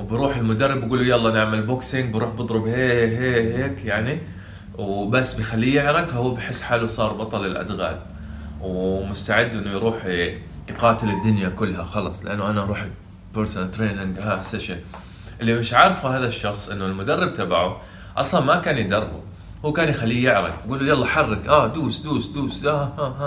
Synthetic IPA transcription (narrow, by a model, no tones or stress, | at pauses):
wbɾuːħɪlmʊd̪ɑrˤːɪbɡuːlujalˤːɑʔanaʕmalbʊksɪŋɡbɾuːħbɨd̪ˤɾʊbheːɦeːheːkjaʕni | wbasːbɪjxalːijɪʕɾɑkfahʊwːbɪħɪsːħaːlːusˤɑːɾˤbɑt̪ˤɑlɪlʔa̰d̪ɣa̰ːl | wmʊst̪aʕɪd̪ːʔɪnːʊjɾuːħjqɑːt̪ɪlɪd̪ːʊnjakʊlːhaxɑlɑsˤlɪ̰ʔanːʊʔanaʔɑɾˤuːħ | bɪɾsnat̪ɾeːnɪŋɡhaːasːaʃa | ʔɪlːimɪʃʕɑɾˤfuhaːðaʃːɑxsˤʔɪnːʊlmʊd̪arˤːɪb̚t̪abaʕu | ʔɑsˤlɑnmakaːnjɪd̪ɑrˤbṵ | huːkaːnjɪxalːiːjɪʕɾˤɑ̰kɡuːlːujɑlˤːɑħɑrˤːɪkʔaːd̪uːsd̪uːsd̪uːsd̪ahaa